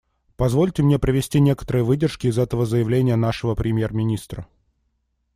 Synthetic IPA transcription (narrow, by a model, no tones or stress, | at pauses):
pɐzvo̞lʲtʲɪmnʲe̞pɾʲɪvʲɪsʲtʲinʲe̞kə̥t̪əɾɨjəvɨdʲɪrʂkʲɪɪzɛt̪əvəzəjɪvlʲenʲɪjənaʂəvəpɾʲɪmʲjermʲɪnʲist̪ɾə